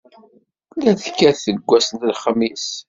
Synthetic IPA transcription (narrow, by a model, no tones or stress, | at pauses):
læθkːæθəɡʷːæsənt̪əlχəmis